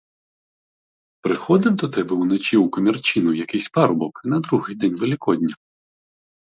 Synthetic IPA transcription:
pɾɪxɔd̪ɪwd̪ɔt̪ɛbɛwnɔt͡ʃʲiwkɔmʲirt͡ʃinʊjɐkɪjsʲpɑɾʊbɔknɐd̪ɾuɦɪjd̪ɛnʲʋelʲɪkɔd̪ʲnʲɐ

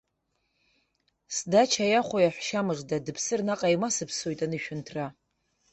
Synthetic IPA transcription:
sdat͡ʃʰajaχʷojaħʷʃamɨʐdadɨpʰsɨrnaqʼajmasɨpʰso̞jtʼanɨʃᶣʊntʰra

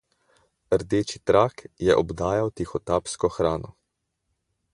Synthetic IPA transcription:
əɾd̪eːt͡ʃit̪ɾaːkjɛʔɔbd̪aːjawt̪ixɔt̪aːpskɔxɾaːnɔ

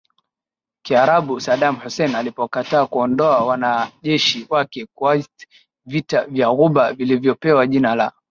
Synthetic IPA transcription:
kiaɾaɓusaɗamhusɛnalipɔkataːkuɔndɔawanaʄɛʃiwakɛkwa | vitavjaɣuɓavilivjɔpɛwaʄinala

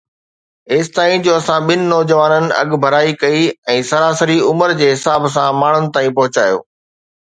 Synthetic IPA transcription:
ɪːst̪aːĩd͡ʑoːɐsãɓɪnɪ̆nɔːd͡ʑəʋaːnənɪ̆ɐ̰ɠbʱɐɾaːikɐiɛ̃ːsɐɾaːsəɾiʊməɾd͡ʑeːɦɪsaːbsãmaːɳ̤ʊnɪ̆t̪aːĩpɐɦʊt͡ɕa̰ːjo̰ː

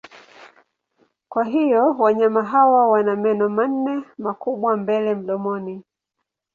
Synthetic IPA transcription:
kwaɦijɔwaɲamaɦawawanamɛnɔman̩nɛmakuɓwambɛlɛm̩ɗɔmɔni

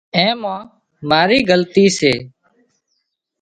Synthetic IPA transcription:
ẽːmãː | maːɾiːɡəlt̪iːseː

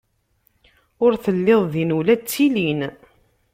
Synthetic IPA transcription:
ʊɾθəlːɪðˤðinulæt͡sːilin

